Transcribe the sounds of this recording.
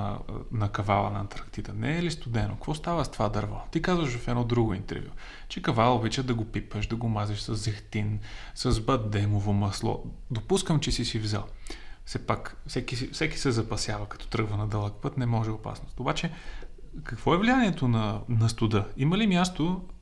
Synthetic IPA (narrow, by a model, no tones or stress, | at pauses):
nɐkɐvalˠə̰nɐːt̪ɾɐkt̪id̪ənɛːlist̪ʊd̪ɛno̰kəkvɔst̪avəst̪vad̪ɐɾvɔt̪ikazvəʃvɐfɛd̪nɔd̪ɾuɡʊḭnt̪ɛ̰ɾvʲjṵ | t͡ʃɛkɐvalˠobit͡ʃəd̪ɐɡopipəʃd̪ɐɡomazɛʃsɐzɛxt̪insɐzbət̪̚d̪ɛmovomɐslˠɔ̰ | d̪opuskəmt͡ʃɛsisivzə̰lˠfsɛpakfsɛkifsɛki̥sɛzɐpɐsʲjavɐkɐ̥t̪ɔ̥t̪ɾɤɡvənɐd̪əlˠək̚pɤt̪nɛmɔʒɛopa̰snʊst̪obat͡ʃɛ | kɐkvɔɛvlijaniɛt̪onɐnɐst̪ʊd̪ɤiməlimʲjast̪o